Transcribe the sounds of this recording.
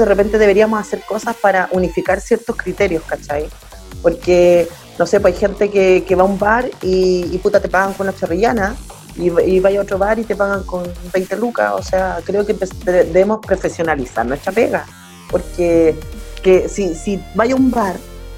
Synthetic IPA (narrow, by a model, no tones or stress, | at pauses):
d̪ðerepe̞nt̪e̞ðeβe̞ɾiamosaseɾko̞saspaɾaʔunifikaɾsjeɾt̪ohkɾit̪eɾjo̞skat͡ʃaj | poɾke | no̞se̞poajxe̞nt̪ekekeβaumbaɾiːput̪at̪e̞paɣaŋkonunat͡ʃariʝana | iiβajaotɾo̞βaɾit̪epaɣaŋko̞nbejnt̪eluka̰o̞̰seakɾeokempesd̪ed̪eβemo̞spɾo̞fesjo̞nalisa̰ɾnwestɾapḛɣa | poɾkekesisibajaumbaɾ